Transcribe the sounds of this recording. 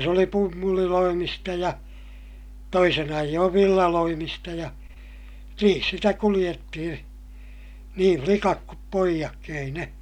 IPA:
se oli pumːuliloimistɑ jɑ toisin ɑijːoːʋ ʋilːɑloimistɑ jɑ niːn sitæ kulij̆etːihĩː niː flikɑk kup poijɑkːi ei ne

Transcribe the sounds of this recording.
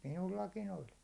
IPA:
minulːɑkin olʲ

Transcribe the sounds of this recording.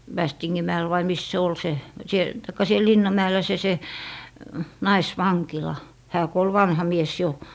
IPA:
ʋæstiŋːin mæɛl ʋɑi mis se ol se siel tɑikːɑ siel linːɑm mæelːæ se se nɑisʋɑŋkilɑ hæː ku ol ʋɑnhɑ mies jo

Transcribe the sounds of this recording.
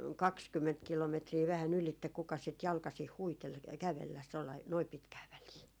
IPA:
kɑkskymːent kilometriː ʋæhæn ylitːe kukɑs sit jɑlkɑsih huitel kæʋelːæs tolːɑi noi pitkæː ʋæliː

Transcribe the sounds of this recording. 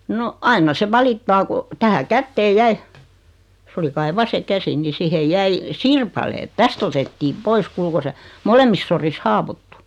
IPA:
no ɑinːɑ se ʋɑlitːɑː ko tæhæ kætːeːj jæi s oli kɑi ʋɑse kæsi ni sihej jæi sirpɑleːt tæst otetːiːm̆ pois kuːl ko se molemːis soris hɑːwotːu

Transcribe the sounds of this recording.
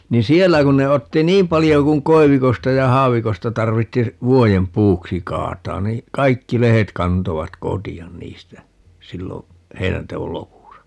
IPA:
ni sielːæ kun ne otːi niːm pɑlijo kuŋ koi̯ʋikostɑ jɑ hɑːʋikostɑ tɑrʋitːi ʋuojem puːksi kɑːtɑːn niː kɑikːi lehet kɑntoʋɑt kotiɑn niːstæ silːo heinæntewol lopusɑ

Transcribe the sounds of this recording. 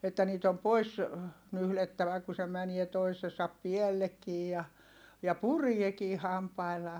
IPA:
etːæ niːt om pois nyhletːæʋæ ku se mænie toisesɑp piɛlːekːiː jɑ jɑ puriekiː hɑmpɑilːɑː

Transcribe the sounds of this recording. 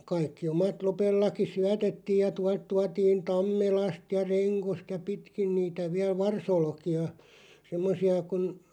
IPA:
kɑikːi omɑt lopelːɑki syætetːiːj jɑ tuɑ tuɑtiːn tɑmːelɑst jɑ reŋkost jɑ pitkin niːtæ ʋiæl ʋɑrsolkiɑ semːosiɑ kun

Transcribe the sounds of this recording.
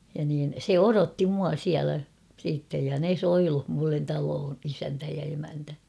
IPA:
jɑ niːn se orotːi muɑ siælæ siːtːej jɑ ne soiluh mulːen tɑloːn isæntæ jɑ emæntæ

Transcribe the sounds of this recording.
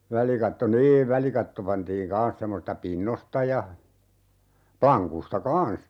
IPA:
ʋælikɑtːo niːʋ ʋælikɑtːo pɑntiːŋ kɑːn̞s semːosistɑ pinːostɑ jɑ plɑŋkustɑ kɑːn̞s

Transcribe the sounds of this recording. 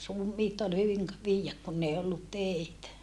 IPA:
ruːmˑiːt ol hyʋiŋ k ʋiːjːæk kunː ei olːut teˑitæ

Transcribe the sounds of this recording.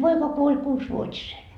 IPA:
poikɑ kuolʲ kuːsʋuotʲisen

